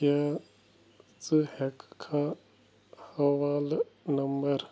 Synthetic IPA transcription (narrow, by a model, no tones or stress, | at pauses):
ja | t͡sɨhɛkkʰa | hɐʋaːlnɐmbɐɾ